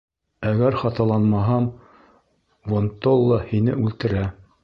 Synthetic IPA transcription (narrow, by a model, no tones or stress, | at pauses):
æɡæɾχɑt̪ɑlˠɑnmɑɦɑm | vont̪olˠːɑhinɘʉlt̪ɘ̆ɾæ